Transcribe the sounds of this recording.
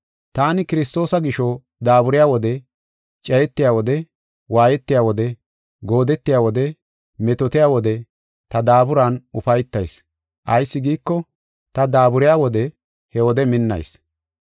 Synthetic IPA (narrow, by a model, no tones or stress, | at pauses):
t̪aːnɪkɪɾɪst̪o̞ːsɐɡɪʃɔ | d̪aːbʊɾɪjaːwɔd̪ɛ | t͡ʃʼɛjɛt̪ːɪjaːwɔd̪ɛ | waːjɛt̪ːɪjaːwɔd̪ɛ | ɡo̞ːd̪ɛt̪ːɪjaːwɔd̪ɛ | mɛt̪ɔt̪ɪjaːwɔd̪ɛ | t̪ɐd̪aːbʊɾaːnʔʊfɐjt̪ːɐjs | ʔɐjsːɪɡiːkːɔ | t̪ɐd̪aːbʊɾɪjaːwɔd̪ɛ | hɛwɔd̪ɛmɪnːɐ̰js